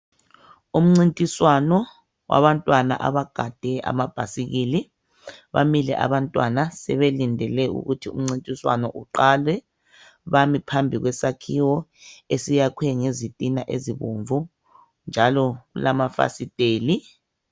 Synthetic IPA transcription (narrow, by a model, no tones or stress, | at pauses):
um̩ŋ͡ǀintʼiswanɔ | wa̰βantʼwana̰ʔa̰βaɡ̥ʱad̥ʱɛʔa̰mab̥ʱasiɣili | βa̰milɛ̰ʔa̰βantʼwanasɛβelindʱɛlɛṵɣutʰiṵm̩ŋ͡ǀintʼiswa̰nɔʔuǃalwɛ | βamipʰambʱiɣwɛsakʰiwɔesijakʰwɛŋezitʼinaʔeziβoɱvu | nd͡ʒʱalɔɣulamafa̰sitʼeːli